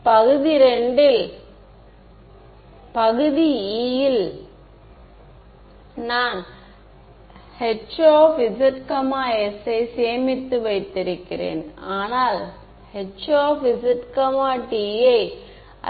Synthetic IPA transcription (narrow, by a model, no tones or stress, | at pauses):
pɐɣɯðiɾɛɳɖɪl | pɐɣɯðiiːjɪl | naːn | hɛt͡ʃoːfɪsɐɾkɐmaːɛsɐɪseːmɪt̪ːɯʋɐɪt̪ːɪɾɯkːɪrḛːnaːnaːl | hɛt͡ʃoːfɪsɪʈkɐmaːʈijɐɪ̰